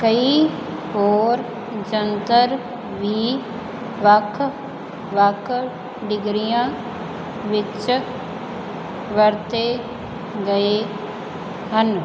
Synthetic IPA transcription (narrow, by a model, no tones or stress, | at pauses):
kɐi | oːɾ | d͡ʒənt̪əɾ | ʋʱiː | ʋɐkʰ | ʋɐkʰ | ɖɪɡɾijã | ʋɪt͡ʃ | ʋɐɾt̪e | ɡɐe | ɦən